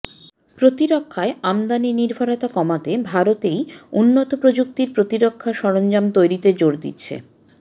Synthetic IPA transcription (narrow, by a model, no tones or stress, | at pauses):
pɾot̪iɾokʰːaeamd̪aniniɾbʱaɾɔt̪akɔmat̪ebʱaɾot̪ejunːot̪opɾod͡ʑuk̚t̪iɾpɾot̪iɾokʰːaʃɔɾond͡ʑamt̪ojɾit̪ed͡ʑoɾd̪ḭtːɕʰḛ